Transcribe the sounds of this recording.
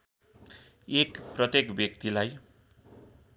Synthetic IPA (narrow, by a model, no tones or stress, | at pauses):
ekprʌt̪jekbjʌkt̪ilaj